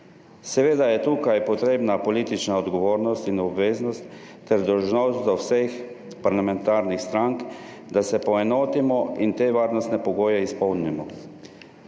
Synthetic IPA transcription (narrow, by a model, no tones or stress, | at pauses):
sɛʋeːd̪ajɛt̪uːkajpɔt̪ɾeːbnapɔliːt̪it͡ʃnaɔd̪ɡɔʋoːɾnɔst̪inɔbʋeːznɔst̪ː | ɛɾd̪ɔwʒnɔzd̪ɔwsex | paɾlamɛnt̪aːɾnixst̪ɾaŋk | d̪asɛpɔɛnoːt̪imɔint̪eːʋaːɾnɔst̪nɛpɔɡoːjɛispɔwnimɔ